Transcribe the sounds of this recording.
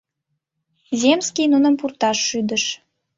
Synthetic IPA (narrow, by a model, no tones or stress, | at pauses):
zʲemskijnunəmpurt̪ɑʃːyd̪əʃ